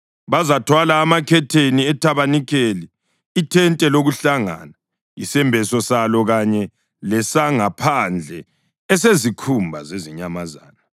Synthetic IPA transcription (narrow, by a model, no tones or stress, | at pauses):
βazatʰwalaːmakʰɛtʰeniɛtʰaβanikʰeliː | tʰɛntʼɛloɣuɬaŋa̰ːna | isɛmbʱɛsɔsalɔɣaɲɛ | lɛsaŋapʰand͡ɮʱɛ | ɛs̬ezikʰumbʱa̰zeziɲamaza̰ːna